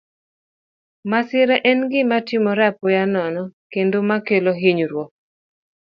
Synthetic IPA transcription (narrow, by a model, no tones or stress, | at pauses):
masɪɾɛʔɛnɡɪmatɪmɔɾapɔjanɔnɔkendomakeloɦiɲɾwɔ